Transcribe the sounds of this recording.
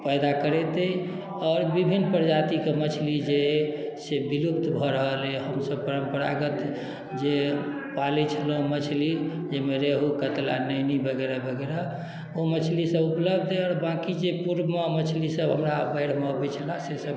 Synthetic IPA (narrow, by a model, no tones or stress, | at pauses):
pɛjd̪akəɾɛt̪ɛ | ɔːɾbibʱinːpəɾd͡ʒat̪ikemət͡ʃʰlid͡ʒesebilupt̪bʱɔɾəɦəleɦəmsəb̚pəɾəmpəɾa̰ɡət̪ | d͡ʒepalit͡ʃʰələɦumət͡ʃʰli | d͡ʒemeɾeɦukət̪la̰nəjnibəɡeɾabəɡeɾa | omət͡ʃʰlisəbupləbʱd̪ʱeɔːɾbãkid͡ʒepuɾmemət͡ʃʰlisəbɦəmɾabəɪɽ̤mɔbɛt͡ʃʰəlasesəb